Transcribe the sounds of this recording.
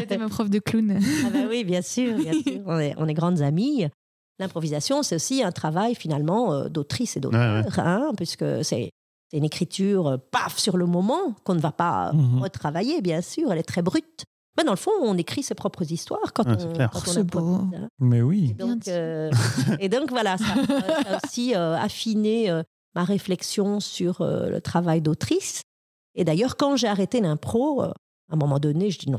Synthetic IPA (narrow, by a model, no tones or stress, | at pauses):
mapχɔfd̪əklunabɛwibjɛ̃syːʁbjɛ̃yːʁɔ̃nɛʔɔ̃nɛɡʁɑ̃d̪zami | lɛ̃pχɔvizasjɔ̃sɛt̪osiɛ̃t̪χavajfinalmɑ̃ø̰d̪ot̪χised̪o̰t̪ːʁɛ̃pɥiskə̰sɛ̰ | sɛt̪ynekχit̪yːʁøpafsyʁləmɔmɑ̃kɔ̃nəvapa̰ʁət̪χavajebjɛ̃syːʁɛlɛt̪χɛbʁyt̪ | mɛd̪ɑ̃ləfɔ̃ɔ̃nekχisepχɔpχəzist̪waːʁkɑ̃ɛkɑ̃ɔ̃lapɔɛ̰̃mɛwid̪ɔ̃kø | ed̪ɔ̃kvwalasaaosiøa̰fineø | maʁeflɛksjɔ̃syʁø̰lə̰t̪χavajd̪ot̪χis | ed̪ajœːʁkɑ̃ʒeaʁet̪elɛ̃pχoø̰ | ɛ̃mɔmɑ̃d̪ɔneʒəd̪inɔ̰̃